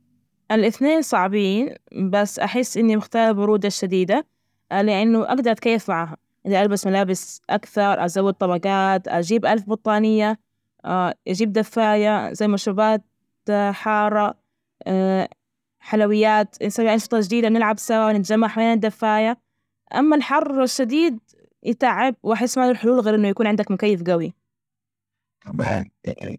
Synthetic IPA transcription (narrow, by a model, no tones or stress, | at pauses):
ʔɪlʔɪθneːnsˤɑʕbiːnbasːʔaħɪsːʔɪnːimɪxt̪aːɾbʊɾuːd̪aʃad̪iːd̪a | lɪʔɪnːʊʔa̰ɡd̪ɑɾˤt̪̚kajːɪfmaʕaːɦa | ʔɪniʔalbasmalaːbɪsʔakθɑɾˤʔa̰zawːɪd̪̚t̪ˤɑbɑɡɑːt̪ʔa̰d͡ʒiːbʔalfbɑt̪ˤːɑːnɪjːa | ʔad͡ʒiːb̚d̪afːaːjazajːmaʃɾubaːt̪̚ | ħɑːɾˤɑ | ħalawɪjːaːt̪sawiʔanʃɨt̪ˤɑʒɪd̪iːd̪abnɪlʕabsawaːnɪt̪ad͡ʒamːaħawajːand̪afːaːja | ʔa̰mːalħɑrˤːɪʃːad̪iːd̪̚ | jɪt̪aʕːɪb̚wʔaħɪsːmaːlʊlħʊluːlɣeːɾʔɪnːʊjakuːnʕɪnd̪akmʊkajːɪfɡawi | t̪ˤɑba̰na̰